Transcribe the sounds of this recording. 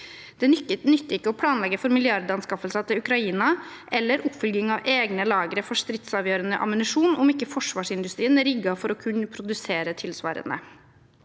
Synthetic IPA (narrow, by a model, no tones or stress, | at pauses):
d̪̥ɛnʏənʏt̪ːəɪkːəɔpʰlɑːnlɛɡːəfɔɾmɪlɪɑɾd̪ɑnskɑfəlsɑt̪ʰɪlʉkɾɑiːnɑʔɛlːəɾʊpːfʏlɡɪŋɑʋʔeːɡnəlɑːɡəɾəfɔʂt̪ɾɪt̪sɑːʋjøːɾənə̰ʔɑ̰mənɪʂuːnʔɔmɪkːəfɔʂʋɑːʂɪnd̪ʉst̪ɾiːənæɾɪɡɑfɔɾɔkʰʉnːəpʰɾʊd̪ʉseːɾət̪ʰɪlsʋɑ̰ːɾə̰nə̰